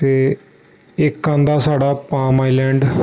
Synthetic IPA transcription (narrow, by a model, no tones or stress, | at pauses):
t̪eː | ɪkːãːnd̪aːsaːɖaːpãːmaːiːlɛ̃ːɳɖ